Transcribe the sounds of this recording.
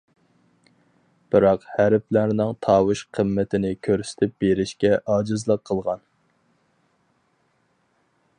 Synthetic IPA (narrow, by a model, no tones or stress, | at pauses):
b̥ɨɾɑqhæɾplæɾnɪŋt̪ʰɑːwɨʃqʰəmːɛt̪ʰɪnɪkʲʰøɾsɪ̥t̪ʰɪp̚beɾɪʃkʲɛʔɑːd͡ʒɨzlˠəqʰːəlˠʁɑn